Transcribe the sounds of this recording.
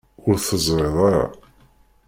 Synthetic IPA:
ʊɾθəzˤɾeðˤɑɾɑ̰

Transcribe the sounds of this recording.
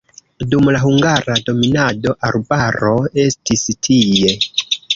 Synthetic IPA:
dumlaɦuŋɡaɾado̞minado̞ʔaɾbaɾo̞e̞stistʰije̞

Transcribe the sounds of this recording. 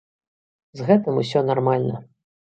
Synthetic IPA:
zɣɛt̪ɨmusʲɔnarmalʲnɐ̰

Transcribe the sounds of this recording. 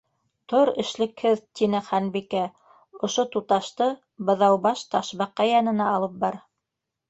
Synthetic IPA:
t̪oɾɘ̆ʃlɘ̆khɘðt̪inɘχænbikæ | ŏʃot̪ut̪ɑʃt̪ɤ | bɤ̆ðɑwbɑʃt̪ɑʃβɑqːɑjɑnɤ̆nɑːlˠɤp̚bɑɾ

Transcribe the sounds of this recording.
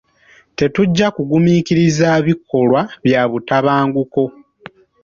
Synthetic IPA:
te̞tuɟːakuɡumiːkiɾizaːβikːo̞lwaβjaːβutaβaːŋɡuko̞

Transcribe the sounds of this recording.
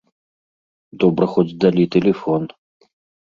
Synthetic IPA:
d̪ɔbɾɐxɔt͡sd͡zʲd̪alʲit̪ɛlʲɛfɔn

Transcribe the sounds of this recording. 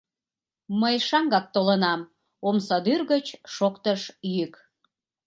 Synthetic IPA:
məjʃɑŋɡɑk̚t̪olənɑm | omsɑd̪yrɣət͡ɕʃokt̪əʃjyk

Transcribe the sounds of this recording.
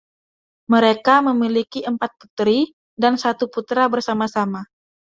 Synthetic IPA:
məɾekaməmilikiʔəmpat̪̚pu̥t̪ɾi | dansat̪uput̪ɾabərsamasama

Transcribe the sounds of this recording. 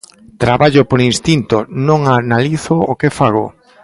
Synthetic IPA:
t̪ɾaβaʎʊpoɾinst̪int̪onõŋanaliθookefaɣ̞o̰

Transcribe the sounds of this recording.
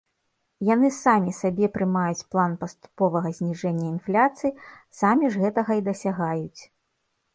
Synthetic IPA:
janɨsamʲisabʲɛpɾɨmajut͡sʲplˠanpɐst̪u̥pɔvɐɣɐzʲnʲiʐɛnʲːɐinflʲat̪sɨji | samʲiʐɣɛt̪ɐɣɐid̪ɐsʲaɣajut͡sʲ

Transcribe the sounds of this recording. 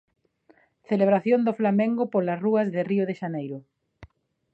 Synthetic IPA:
θeleβ̞ɾaθjond̪ʊflamẽŋɡʊpolɐsruɐzðɪriʊðeʃanejɾʊ

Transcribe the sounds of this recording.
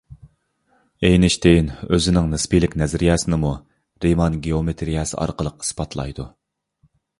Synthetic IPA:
ejnɪʃt̪ʰejnøzɪnɪŋnɨspilɪkʲnɛzɾijɛsɪnɪmu | ɾemɑnɡeomet̪ʰɾijɛsɨ̰ʔɑ̰ɾqəlˠəqɨ̥spɑt̪ʰlˠɑ̰jd̪u

